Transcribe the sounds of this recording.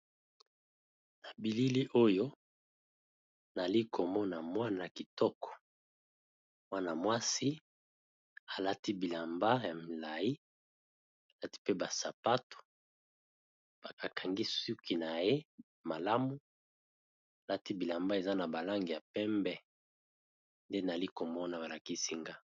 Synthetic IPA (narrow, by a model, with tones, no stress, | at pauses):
na˨bi˨li˦li˦ʔo˦jo˦ | na˨li˦kʰo˨mɔ˦na˨mwa˦na˨ki˨tɔ˦kɔ̥˨ | mwa˦na˨mwa˦si˦ | a˨la˦ti˦bi˨la˨mba˦ja˨mi˨la˨ji˦ | a˨la˦ti̥˦pe˦ba˨sa˨pa˦to̥˨ | b̥a˨ka˨kʰa˨ŋɡi˦su˦ki˨na˨je˦ | ma˨la˦mu˨ | a˨la˦ti˦bi˨la˨mba˦e˨za˦na˨ba˨la˦ŋɡi˨ja˨pɛ˦mbɛ˦ | nde˦na˨li˦ko˨mɔ˦na˨ba˨la˨ki˦si˦ŋɡa˦